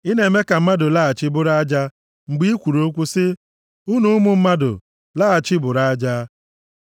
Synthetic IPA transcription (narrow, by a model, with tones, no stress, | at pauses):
i˦ne˨˦me˦ka˨m̩˦ma˦dʊ˨la˦a˨t͡ʃɪ˦bʊ˦ɾa˦d͡ʒa˦ | ŋ͡m̩˨ɡ͡bi˦i˦kʷu˨ɾo˦kʷu˦sɪ˦ | u˦nu˦mʊ˦m̩˦ma˦dʊ̰˨ | laː˦a˨t͡ʃɪ˦bʊ˨ɾa˦d͡ʒa˦